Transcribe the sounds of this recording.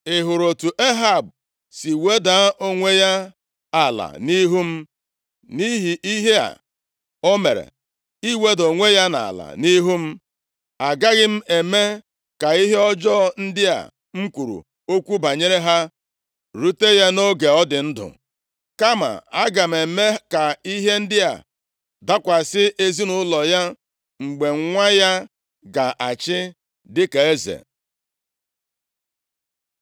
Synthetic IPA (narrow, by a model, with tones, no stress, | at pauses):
ɪ˨ɦʊ˨ɾo˨tu˨ʔe˦ɦa˨b̚ | si˨we˦da˨˦ʔo˦ŋʷe˦ja˦ | a˨la̰˨ni˦ɦu˦m̩˦ | ni˦ɦi˨i˦ɦe˦a̰˨ | o˦me˨ɾḛ˨ | i˦we˦do˨ŋʷe˦ja˦na̰˨la̰˨ni˦ɦu˦m̩˦ | a˨ɡa˦ɣɪ˦m̩˦e˨me˦ | ka˨i˦ɦe˦ɔ˦d͡ʒɔ˦n̩˦dɪ˦a̰˨ | ŋ̩˦kʷu˨ɾṵ˨ | o˦kʷu˦ba˨ɲe˦ɾe˦ɦa˦ | ɾu˦te˦ja˦no˦ɡe˨ɔ˦dɪ˨n̩˦dʊ̰˨ | ka˦ma̰˨a˦ɡa˨m̩˨e˨me˦ka˨i˦ɦe˦n̩˦dɪ˦a̰˨ | da˦kʷa˨sɪ˦ʔe˦zi˦nʊ˦lɔ˨ja˦ | ŋ͡m̩˨ɡ͡be˨ŋ̩˦ŋʷa˦ja˦ | ɡa˨ʔa˨t͡ʃɪ˦ | dɪ˦ka˨e˦zḛ˨